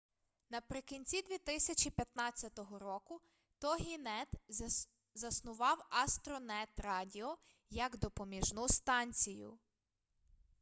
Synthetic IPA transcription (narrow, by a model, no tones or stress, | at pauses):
nɐpɾɪkinʲt͡sʲid̪ʲʋʲit̪ɪsʲɐt͡ʃʲipʲjɐt̪nɑt͡sʲːɐt̪ɔɦɔɾɔkʊ | t̪ɔɦʲinɛt̪ | zɐsnʊʋɑwɐst̪ɾɔnɛt̪rɑdʲiɔ | jɐɡd̪ɔpɔmʲiʒnust̪ɑnʲt͡sʲijʊ̰